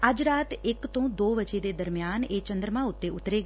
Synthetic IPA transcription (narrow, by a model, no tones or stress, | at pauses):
aːd͡ʒɾaːt̪eːkt̪õd̪oːʋət͡ʃed̪ed̪əɾmjaːnet͡ʃə̃nd̪ɾəmãʊt̪ːeʊt̪ɾeɡ